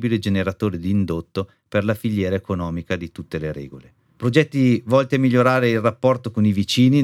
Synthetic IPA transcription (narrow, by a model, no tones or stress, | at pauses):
biled͡ʒeneɾat̪oːɾed̪iːnd̪ot̪ːo | perlafiʎːɛːɾaekonɔːmikad̪it̪ut̪ːeleɾɛ̰ːɡole | pɾod͡ʒɛt̪ːivɔlt̪iamiʎːoɾaːɾeilrapːɔrt̪okonivit͡ʃiːni